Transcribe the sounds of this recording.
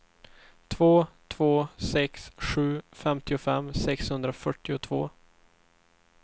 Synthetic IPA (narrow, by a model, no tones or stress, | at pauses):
t̪ʰvoːt̪ʰv̥oːsɛksɧʉ̟ːfɛmt̪ɪʊfɛmːsɛkshɵnd̪ɾafœʈːɪʊt̪ʰv̥o̰ː